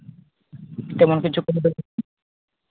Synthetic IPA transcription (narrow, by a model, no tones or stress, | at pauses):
t̪ɛmonkit͡ɕʰukonobel